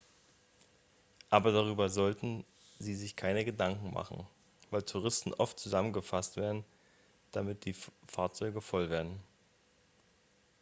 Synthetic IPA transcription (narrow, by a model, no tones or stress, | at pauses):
ʔaːbɐdaʁyːbɐzɔltn̩ | ziːzɪçkʰaɪnəɡədaŋkŋ̩ma̰χn̩ | vaɪltʰuʁ̞ɪstn̩ʔɔftt͡suzamənɡəfastv̥eːɐdn̩ | d̥amɪt̚d̥iːfaːɐt͡sɔʏɡəfɔlveːɐdn̩